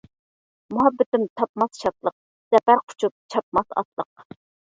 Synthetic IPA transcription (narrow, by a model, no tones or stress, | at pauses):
muɦɑbːɪt̪ɪmt̪ʰɑpmɑsʃɑt̪lˠəq̚ | sɛpæɾqʰʊ̥t͡ʃʰup̚t͡ʃʰɑp̚mɑsɑ̰t̪lˠəq